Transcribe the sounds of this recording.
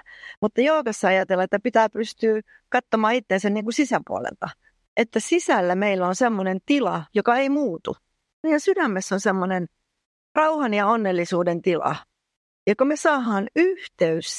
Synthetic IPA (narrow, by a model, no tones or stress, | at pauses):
mut̪ːɑjoːkɑsːɑɑjɑt̪elːɑet̪ːæpit̪æːpyst̪yː | kɑt̪ːomɑːit̪ːensænniːŋkusisæmpṵɑ̰lḛlt̪ɑ | ʔet̪ːæsisælːæmeilːæonsemːonent̪ilɑjokɑeimuːt̪ṵ | niːlːæsydæmːesːonsemːonen | rɑuhɑnjɑonːelːisuːdent̪ilɑ̰ | jɑkomesɑːɦɑːnyht̪eys